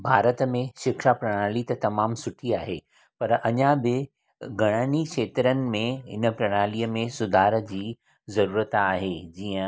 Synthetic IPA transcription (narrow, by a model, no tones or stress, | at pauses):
bʱaːɾət̪əmẽʃɪkʃapɾɐɽ̃aːlit̪ɐt̪ɐmaːmsʊʈʰiaːɦe | pɐɾɐɲãbɪ | ɡʱɐɽ̃ənikʃʰeːt̪ɾənɪ̆mẽɦɪ̰nə̆pɾɐɽ̃aːliəmẽsʊd̪ʱaːɾə̆d͡ʑiː | zɐɾuːɾət̪aːɦed͡ʑiːə̃